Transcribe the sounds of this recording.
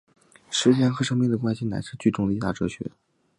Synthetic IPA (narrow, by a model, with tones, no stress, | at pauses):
ʂɻ̩˧˥t͡ɕjɛ˥˩nxɤ˧˥ʂɤ˥ŋmi˧˥ŋd̪ə˩kwa˥nɕi˧na̰˧˥ɪʂɻ̩˥˧t͡ɕy˥˧ʈ͡ʂʊ˥ŋə˨˩i˧˥t̪a̰˥˩ʈ͡ʂɤ˥ɕɥɛ̰˧˥